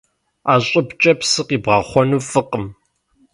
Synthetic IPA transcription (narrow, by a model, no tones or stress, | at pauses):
aːɕʼɪpt͡ʃʼɐpsɨqiːbʁɑχʷɔnuːfɨqəm